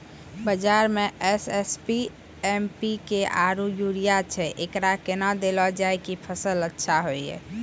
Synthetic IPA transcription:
bəd͡ʒaɾmeʔesespi | empikeʔaɾujuɾijat͡ʃʰɛʔekɾakenad̪elɔd͡ʒaekipʰəsələtːʃʰaɦoiɛ̰

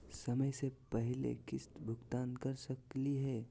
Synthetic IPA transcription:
sɐməjsepəɦɪlḛkɪsbʱʊɡt̪aːnkɐɾsəkliɦɛː

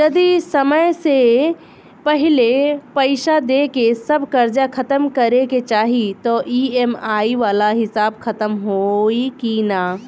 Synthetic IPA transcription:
d͡ʒɐd̪isɐməjse | pəɦɪlepəɪʃad̪ekesəbʱkɐɾd͡ʒakʰɐt̪əmkɐɾeket͡ʃaːɦit̪oʔiemaːiʋaːlaɦɪsaːbkʰɐt̪əmɦoikina

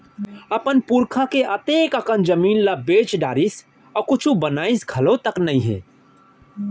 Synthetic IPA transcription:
ɐpənpuɾkʰakeʔɐt̪eːkəkənd͡ʒəmiːnlabeːt͡ʃɖaːɾis | ɔkʊt͡ʃʰũbɐnaːisɡʱɐlõt̪ɐknɐɦĩɦɛ̰ː

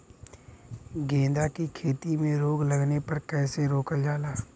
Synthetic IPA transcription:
ɡẽːd̪akikʰeːt̪imẽɾoːɡləɡnepɐɾkɛːseɾoːkəld͡ʒaːlaː

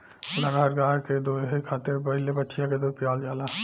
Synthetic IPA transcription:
laɡɦəɾɡaːked̪oːɦikʰaːt̪epəɦɪlebətːʃɪjãked̪opɪjaːld͡ʒaːlaː

